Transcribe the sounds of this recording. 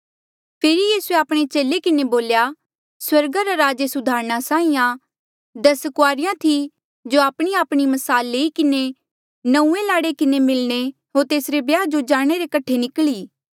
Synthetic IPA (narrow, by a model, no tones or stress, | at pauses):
pʰeːɾijiːsueaːpɽ̃et͡ʃeːlekɪneboːlja | swɐɾɡaɾaɾaːd͡ʒesʊd̪ʱaːɾñasãːĩjã | d̪ɐskʊaːɾɪjãt̪ʰi | d͡ʒoaːpɽ̃iaːpɽ̃imɐsaːlːeːikɪne | nɐ̃ũːẽlaːɽekɪnemɪlñe | ɦoːɾt̪eːsɾebjaːd͡ʒod͡ʒaːɽ̃eɾekɐʈʰːenɪkɭiː